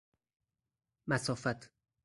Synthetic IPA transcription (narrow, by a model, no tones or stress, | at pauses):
mæsɒːfæt̪ʰ